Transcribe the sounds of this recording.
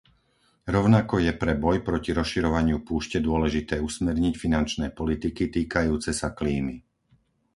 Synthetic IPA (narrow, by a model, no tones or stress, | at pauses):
ɾɔʊnakɔjɛpɾɛbɔjpɾɔciɾɔsʃiɾɔʋaɲɪupuːʃcɛd̪ʊɔlɛʒit̪ɛːusmɛɾɲicfinant͡ʃnɛːpɔlit̪ikit̪iːkajuːt͡sɛsakliːmi